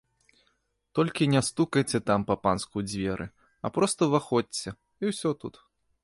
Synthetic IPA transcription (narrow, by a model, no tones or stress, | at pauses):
t̪ɔlʲkʲinʲɛst̪ukɐjt͡sʲɛt̪ampɐpanskud͡zʲvʲɛɾʔɨ̰ | ɐ̰pɾɔst̪ɐvaxɔt͡sʲːɐ | iwsʲɔt̪ṵt̪